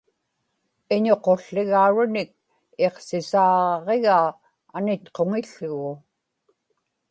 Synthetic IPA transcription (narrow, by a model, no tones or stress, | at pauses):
ɪɲo̞qo̞ɬːɪɣauɻʊnɪk̚ | e̞qsɪsɑːʁe̞ɣaː | nɪt̪qo̞ŋɪʎːʊɣʊ